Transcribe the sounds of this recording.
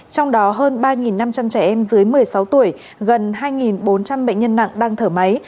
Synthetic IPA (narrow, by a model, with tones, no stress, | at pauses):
t͡ɕɔ˧wŋ͡mɗɔ˨˦ɦəː˧nɓaː˧ŋi˨˩nːa˧mt͡ɕa˧mt͡ɕɛ˧˩ʔɛ˧mzɨ˨˦əjmɨ˨˩əjsa˨˦wt̪u˧˩əj | ɣə˨˩nɦaː˧jŋi˨˩nɓo˨˦nt͡ɕa˧mɓə̰˧˨ŋ̟ɲə˧nːa̰˧˨ŋɗaː˧ŋt̪ʰəː˧˩ma˨˦j